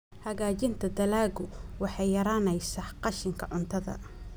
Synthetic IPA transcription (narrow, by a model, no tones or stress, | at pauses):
hɐɣaːt͡ʃɪnt̪ʰɐd̪ɐlaːɣʊwɑħɑjjɐɾaːnɛjsaqɑʃɪŋkʰɐʕʊnt̪ʰɐðɐ̰